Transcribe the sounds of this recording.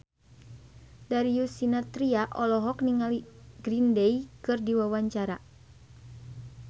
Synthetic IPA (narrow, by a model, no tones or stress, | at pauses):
daɾijusinat̪ɾiaʔɔlɔɦɔkniŋaliɡɾindɛikɨrdiwawaɲt͡ʃaɾa